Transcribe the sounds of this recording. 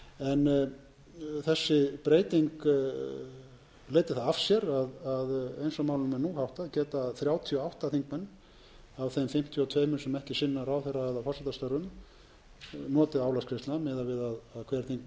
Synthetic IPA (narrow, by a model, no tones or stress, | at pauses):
ɛn | θɛsːɪpɾeːjt̪iŋk | leːjt̪ɪθaðav̥sjɛɾaðaðḛjnsɔmaːwlʏnmɛnuhawht̪aðcɛːt̪aθɾjaːwt̪ʰiɔawht̪aθiŋk̚mɛnː | avθejmfɪm̥t̪ʰjɔt̪ʰveːjmʏsɛmɛhcɪsɪnːaɾawθejrːaðfɔrsɛt̪ast̪aɾʏm | nɔːt̪ɪðawlaskʰɾɪst̪lnamɪːðavɪðaðaðkʰv̥ɛːɾ̥θiŋk̚m